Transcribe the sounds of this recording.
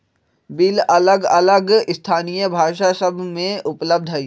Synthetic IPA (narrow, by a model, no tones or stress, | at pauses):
bɪlɐləɡɐ̰ləɡɪst̪ʰaːnijəbʱaːʃasɐbʱmẽʔʊpləb̚d̪ʱɦɐiː